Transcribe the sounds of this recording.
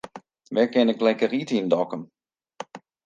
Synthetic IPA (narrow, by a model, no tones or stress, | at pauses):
ʋɛkɛnək̚lɛjkəritindɔkəm